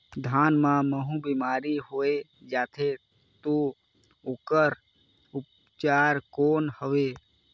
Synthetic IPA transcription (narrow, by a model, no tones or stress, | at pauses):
d̪ʱaːnmãməɦũbimaːɾiɦoːe | d͡ʒaːt̪ʰe | t̪o | okəɾ | ʊp̚ | t͡ʃaːɾkoːnhəʋe